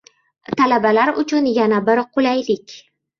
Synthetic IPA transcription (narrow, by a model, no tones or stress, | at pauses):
t̪ʰalabalaɾʊt͡ʃʰʊnjanabɪɾqʰʊlajlɪkʲ